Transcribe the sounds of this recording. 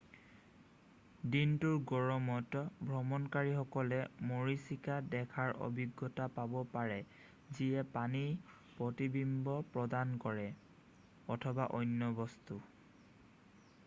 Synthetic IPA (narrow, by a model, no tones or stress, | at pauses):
dintuɹɡɔɹɔmɔtbʱɹɔmɔnkaɹixɔkɔlɛmoɹisikadɛkʰaɹo̰bʱiɡːɔtapabɔpaɹɛ | ziɛpani | pɹɔtibimbɔpɹɔdankɔɹɛ | ɔtʰɔbaʔɔjnːɔbɔstu